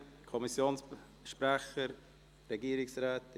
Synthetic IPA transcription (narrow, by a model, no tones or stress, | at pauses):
kʰɔmɪsjoːns | ʃpɾɛχəɾ | ɾeɡiːəɾɪksɾaːt